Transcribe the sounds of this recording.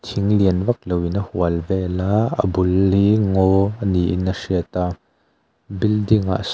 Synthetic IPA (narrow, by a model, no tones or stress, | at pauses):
t̪ʰiŋliənvɐk̚lowinɐhuəlvɛlaə̰bulːiŋɔniʔinːɐsiət̪a | bildiŋa̰ʔs